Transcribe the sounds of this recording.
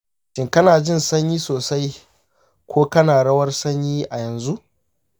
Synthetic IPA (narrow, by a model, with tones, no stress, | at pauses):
ʃɪ˦ŋkɐ˦naː˨d͡ʒɪ˦nsɐ˦ɲjiː˦soː˨sa˦j | kʷʰoː˦kɐ˦naː˨ɽɐ˦wɐ˦rsɐ˦ɲjiː˦ʔa˨jɐ˨nzu˦ʔ